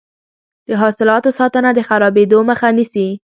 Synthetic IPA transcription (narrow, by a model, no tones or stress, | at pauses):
d̪̥əɦɑsɪlɑt̪osɑt̪ənad̪əxaɾɑbed̪oməxanisi